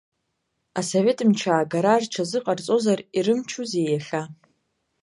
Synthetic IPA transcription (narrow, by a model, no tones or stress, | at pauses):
asove̞tʰʼɨmt͡ʃʰaːɡaɾarʈ͡ʂʰazɨqʼart͡sʼo̞zariɾɨmt͡ʃʰuzejaɬʲa